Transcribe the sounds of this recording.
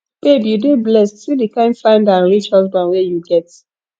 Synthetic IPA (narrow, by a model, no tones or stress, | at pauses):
b̥ebiudeblɛstsidikãɪ̃nfãɪ̃ndãnɹit͡ʃhazbãnwɛjuɡɛt